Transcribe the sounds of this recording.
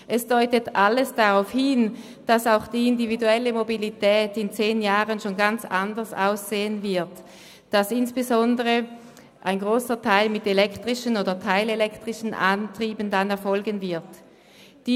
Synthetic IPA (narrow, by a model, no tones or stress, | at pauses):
ʔɛsd̥ɔʏtətʔaləsd̥aʁaʊfhɪn | d̥asaʊxd̥iːɪndividuɛləmobilitʰɛːtɪnt͡seːnjaːʁənʃoːnɡant͡sandɐsa̰ʊsz̥eːənvɪɐt | d̥asɪnsb̥ezɔndəʁə | ʔaɪnɡʁoːsɐtʰaɪlmɪtelɛktʁ̥ɪʃənoːdɐtʰaɪlelɛktʁ̥ɪʃən̩ʔantʁ̥iːbən̩danɛɐfɔlɡənvɪɐt | d̥iː